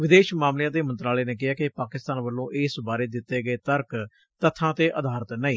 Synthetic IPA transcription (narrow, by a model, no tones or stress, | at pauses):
ʋɪd̪eːʃmaːmljãːd̪eːmə̃nt̪ɾaːleːneːkɪɦaːkɪpaːkɪst̪aːnʋəlːõːʔɪːsbaːɾeːd̪ɪt̪ːeːɡəeːt̪əɾk | t̪ət̪ʰãːt̪eːʔʔəd̪ʱaːɾət̪nəĩː